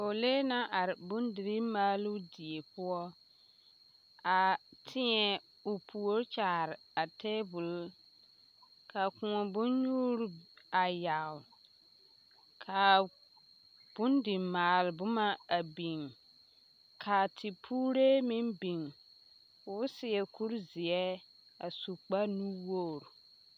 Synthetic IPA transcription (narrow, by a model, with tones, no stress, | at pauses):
o˨le˦na˦ʔa˨ɾɪ˨bʊ˦ndɪ˨ɾi˦maː˦lu˦di˨e˨pʊ˦ɔ˦ | a˨tʰɪ˦ɲɛ˨ | ʊ˨pʰu˨o˦ɾt͡ʃaː˨ɾɪ˨a˨tʰeː˦bʊ˨l | ka˨kʊ̃˨ŋɔ˨bʊ˦nɲuː˦ɾa˨ja˨w | kʰa˨ | b̥ʊ˦ndɪ˨mmaː˨lbʊ˦ma˦a˨bi˨ŋ | kʰa˨tʰɪ˨pʰuː˦ɾe˦mɪ˦nbi˨ŋ | fʊ˨˦sɪ˨ɛ˨ku˦ɾzɪ˨ɛ˦ | a˨su˨k͡pa˦nu˦wo˦˨ɾ